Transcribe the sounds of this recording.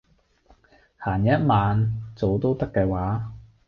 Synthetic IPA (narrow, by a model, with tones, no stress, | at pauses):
haː˨˩njɐ˥t̚maː˨nt͡so˨˧wt̪o˥wt̪ɐ˥kːɛː˧waː˨˥